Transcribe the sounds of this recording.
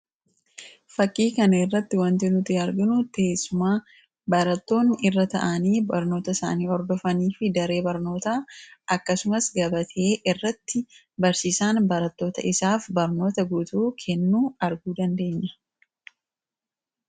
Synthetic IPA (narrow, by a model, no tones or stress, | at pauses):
fɐkʼːiːkɐnɐɪrːɐt̪ːɪwɐnt̪ɪnʊt̪ːɐɾɡɪnʊt̪eːsːʊmaː | bɐɾɐt̪ːo̞ːnɪrːɐt̪ɐ̰ʔɐniːbɐɾno̞ːt̪ɐɪsa̰ːniːɔɾd̪ɔfɐniːfɪd̪ɐɾe̞ːbɐɾno̞ːt̪aːʔɐkːɐsʊmɐsɡɐbɐt̪ʰe̞ːʔɪrːɐt̪ːɪ | bɐɾsiːsaːnbɐɾɐt̪ːo̞ːt̪ɐʔɪsaːfbɐɾno̞ːt̪ɐɡut̪uːkʰɛnːuːɐɾɡuːd̪ɐnd̪e̞ːɲːɐ̥